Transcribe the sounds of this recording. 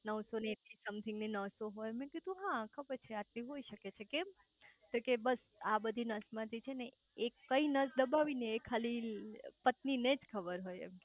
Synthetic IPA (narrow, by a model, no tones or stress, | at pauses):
nəʋsoneʈisəmt̪ʰɪŋɡninəʋsoɦojmɛ̃kɪd̪ũɦãkʰəbəɾt͡ʃʰeaʈliɦoiʃəket͡ʃʰekem | t̪okebəs | abəd̪ʱinəsmãt̪ʰit͡ʃʰene | ekkːəinəsd̪əbaʋineːkʰalipət̪nined͡ʒkʰəbəɾɦojḛ